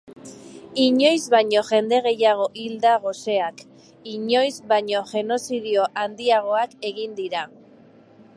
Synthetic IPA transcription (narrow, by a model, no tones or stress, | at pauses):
iɲo̞jzβajɲo̞ʝe̞nd̪e̞ɣ̞e̞jaɣ̞o̞ʔild̪aɣ̞o̞se̞ak | iɲo̞jzβajɲo̞ʝe̞no̞siðio̞ʔand̪iaɣ̞o̞ake̞ɣind̪iɾa